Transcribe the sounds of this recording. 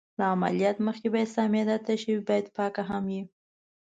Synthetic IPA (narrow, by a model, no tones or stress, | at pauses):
laama̰lijɑt̪məxkebɑjad̪sɑmjɑd̪at̪aʃəwibɑjad̪pɑkaɦamji